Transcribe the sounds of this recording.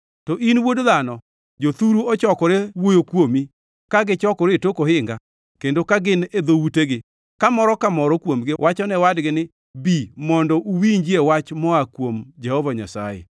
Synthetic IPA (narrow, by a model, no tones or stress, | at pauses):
tɔʔinwodðanɔ | d͡ʒot̪uɾuɔt͡ʃɔkɔɾewojokwomi | kaɡɪt͡ʃɔkɔɾetokohɪŋɡa | kendokaɡɪned̪owuteɡɪ | kamɔɾɔkamɔɾɔkwomɡɪwʔat͡ʃɔnɛwadɡɪnɪ | bimɔndɔʔuwiɲd͡ʒiewat͡ʃmɔakwomd͡ʒɛhɔvaɲa̰sa̰jḛ